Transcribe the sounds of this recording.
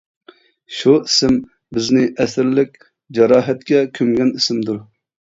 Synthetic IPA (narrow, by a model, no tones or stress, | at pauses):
ʃuisɪm | bɪznɪʔɛsɪɾlɪkʲ | d͡ʒɑɾɑːɦɛt̪̚kʲɛkʲʰøŋɡʲɛnisɪmd̪uɾ